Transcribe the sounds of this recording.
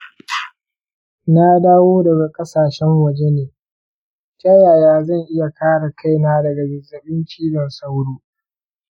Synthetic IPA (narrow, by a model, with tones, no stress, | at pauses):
na˦daː˦woː˦dɐ˨ɡa˨kʼɐ˦saː˨ʃɛ˦ŋwɐ˨d͡ʒe˦neː˨ | kʲʼa˦jaː˨jaː˦zɐ˦˨ŋʔɪ˦ja˨kaː˦ɽa˨kʰa˦˨jnaː˦dɐ˨ɡa˨ɡɪ˨zɐ˨bɪ˦nt͡ʃiː˦bɐ˨nsa˦wɽuː˦